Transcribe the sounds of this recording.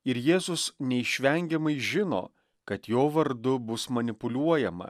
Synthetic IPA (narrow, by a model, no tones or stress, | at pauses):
ɪɾjeːzʊsnʲɛɪʃʲʋʲɛŋʲɡʲɛmɐɪʒʲɪno̰ː | kɐt̪joːʋɐɾd̪ʊbʊsmɐnʲɪpʊlʲuɔjɛmɐ̰